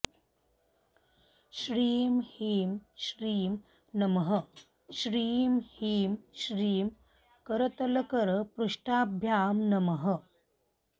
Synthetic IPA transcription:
ʃɾiːmhiːmʃɾiːm | nɐməɦə | ʃɾiːmhiːmʃɾiːm | kəɾət̪ɐləkəɾəpɾuʂʈaːbʱjaːmnɐməɦə

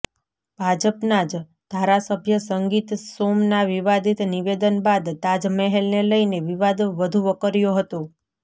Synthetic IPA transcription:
b̥ʱad͡ʒəpnad͡ʒ | d̪̥ʱaɾasəbʱjəsəŋɡit̪somnaʋiʋad̪ʱit̪niʋed̪ənbad̪t̪ad͡ʒmɛɦelneləjneʋiʋad̪ʋəd̪ʱuʋəkəɾjoɦət̪o

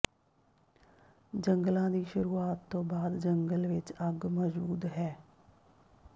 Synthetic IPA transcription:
d͡ʒəŋɡlãːd̪iːʃʊɾuːaːt̪ːõːbaːd̪d͡ʒəŋɡəlʋɪt͡ʃəɡmɔːzuːd̪ɦɛː

